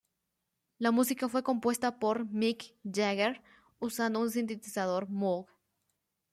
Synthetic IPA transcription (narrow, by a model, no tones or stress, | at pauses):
lamusikafwe̞ko̞mpwe̞st̪apoɾmikd͡ʒaɣeɾ | usand̪ouns̬int̪̬et̪isaðo̞ɾmoɡ